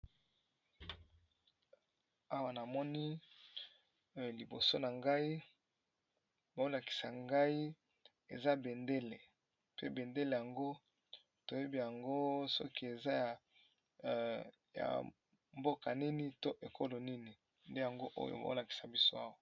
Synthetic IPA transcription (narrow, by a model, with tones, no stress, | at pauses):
a˦wa˨na˨mɔ˦ni˦ | li˨bo˨so˦na˨ŋɡa˦i˦ | ba˨o˦la˨ki̥˨sa˨ŋɡa˦i˦ | ḛ˨za˦be˨nde˦le˨ | pḛ˦be˨nde˦le˨ja˨ŋɡo˦ | to˨je˦bi˦ja˨ŋɡo˦sɔ̰˦ki˦e˨za˦ja˨ | ja̰˨ | mbo˦ka˨ni˦ni˦to˦ʔe˨kʰo˦lo˨ni˦ni˨ | nde˦ja˨ŋɡo˦ʔo̰˦jo̰˨ba̰˨o̰˦la˨ki̥˨sa˨bi˦so˦a˦wa˨